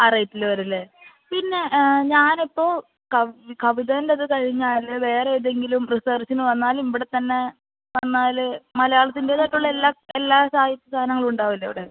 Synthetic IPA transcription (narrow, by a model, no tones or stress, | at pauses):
aːrɐjtːilʋɐɾilːe | pinːe̞ɲaːnipːo̞ː | kɐkɐʋiðɐndeɐðɨkɐɻiɲːaːlʋe̞ːreeðe̞ŋɡilumrisɐrsinɨʋɐnːaːlumiʋiɽe̞t̪ːɐnːe̞ | ʋɐnːaːlmɐlɐjaːɭɐt̪ːinde̞t̪ɐʈːuɭːɐelːaːelːaːsaːjit̪ːɐst̪ʰaːnɐŋːɐɭuɳɖaːʋilːɐiʋiɽe